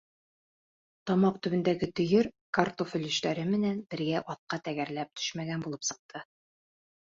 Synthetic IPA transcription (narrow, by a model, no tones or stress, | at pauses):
t̪ɒmɑqt̪ɵ̆βɘ̆nd̪æɡɘt̪ɵ̆jɵɾ | kart̪ofɵ̆lɵ̆ʃt̪æɾɘmɘ̆nænbɘ̆ɾɡæʔɒt̪̚qɑt̪æɡæɾlæp̚t̪ʰɵ̥ʃmæɡænbulˠɤpsɤ̆q̚t̪ʰɤ